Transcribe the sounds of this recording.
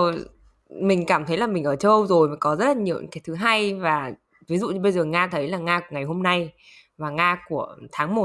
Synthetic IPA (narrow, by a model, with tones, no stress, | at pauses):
mï˨˩ŋ̟kaː˧˩mt̪ʰə˨˦jlaː˨˩mï˨˩ŋ̟ʔəː˧˩t͡ɕə˧wzo˨˩jmaː˨˦kɔ˨˦zə˦˥t̚la˨˩ɲi˨˩˨wɲ̰˨˦ŋkːa˨˦jt̪ʰɨ˨˦ɦaː˧jvaː˨˩ | vi˨˦zṵ˧˨ɓə˧jzəː˨˩ŋaː˧t̪ʰə˨˦jlaː˨˩ŋaː˧ŋa˨˩jɦo˧mna˧j | vaː˨˩ŋaː˧ku˧˩ət̪ʰaː˨˦ŋmo˨˩t̚